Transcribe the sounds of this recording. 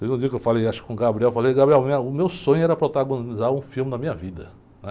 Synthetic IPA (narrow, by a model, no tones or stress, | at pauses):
t̪ezũd͡ʒiɐkewfalejaʃʊkɪ̥kõɡabɾiɛwfalejɡabɾiɛwmĩɐʊmewsõɲʊɛɾɐpɾɔt̪aɡõnizaɾũfilmɪnɐmĩɲɐvid̪ɐ | nɛ